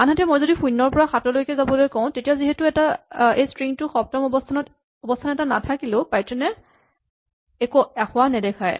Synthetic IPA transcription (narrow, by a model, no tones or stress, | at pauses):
anɦatɛmojzodipujnːɔɹpɔɹaxatɔlojkɛzabɔlojkɔʊ̃tetijaziɦɛtʊɛtaejstɹiŋtʊxɔp̚tɔmɔbɔtʰanɔt | ɔbɔstʰanɛtana̰tʰakilʊ̃pajtɛnɛ | ekoaxʊanɛdɛkʰaj